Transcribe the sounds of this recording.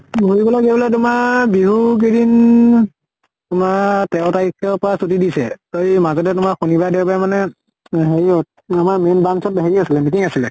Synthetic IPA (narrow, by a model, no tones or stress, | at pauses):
bolibɔlaɡebɔlat̬ʊmaɹbiɦuk̬idin | tʊmaɹtɛʊtaɹikʰːɔpɔasutidisɛtojmazɔtɛtʊmaxunibajdɛwpajmanɛ | ɦeɹiɔt̚ | amaɹmenbansɔt̚baɦeɹiasilɛmitiŋasilɛ